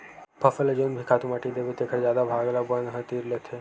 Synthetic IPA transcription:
pʰɐfəlɐd͡ʒonbʱikʰaːt̪umaːʈid̪eːbit̪ekʰəɾzjaːd̪abʱaːɡlabənɦə̃t̪iːɾlet̪ʰe

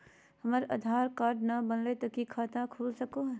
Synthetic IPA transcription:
hɐməɾɐ̰d̪ʱaːɾkaːɾɖnɐbɐnlet̪ɐkikʰaːt̪akʰuːlsɐkoɦ

